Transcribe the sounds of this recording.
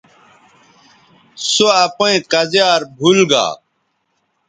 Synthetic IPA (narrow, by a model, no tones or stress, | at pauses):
soapoẽkɐzjaːɾbʱulɡa̰ː